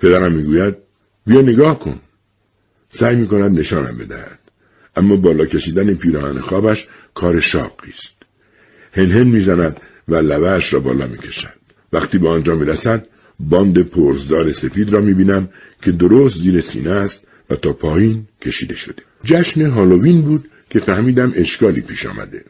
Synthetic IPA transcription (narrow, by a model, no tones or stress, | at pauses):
pʰe̞d̪æɾæmːiːɡuːjæd̪̚ | bijɒːne̞ɡɒːhkʰo̞̰n | sæːjmiːko̞næd̪ne̞ʃɒːnæ̰mbe̞̰d̪æ̰hæ̰d̪̥ | ʔæmːɒːbɒːlɒːkʰe̞ʃiːd̪ænepʰiːɾɒːhænḛxɒːbæʃ | kʰɒːɾe̞ʃɒ̰ːbiːst̪ | he̞nɦe̞nmiːzænæd̪ | vælævæːʃɾɒːbɒ̰ːlɒ̰ːmḭːcʰe̥ʃæd̪̥ | væχt̪iːbeɒnd͡ʒɒːmiːɾæsæd̪̚ | bɒːnd̪e̞pʰoɾzd̪ɒːɾe̞se̞fiːd̪ɾɒːmiːbiːnæm | cʰe̞d̪oɾost̪ziːɾe̞sḭːnæst̪̚ | væ̰t̪ʰɒːpʰɒːjiːncʰe̞ʃiːd̪e̞ʃo̞d̪̥ed͡ʒæʃneɦɒːloviːnbuːd̪ | kʰe̞fæhmiːd̪æmʔe̞ʃkɒːlḭːpʰiːʃɒ̰ːmæ̰d̪e̞̰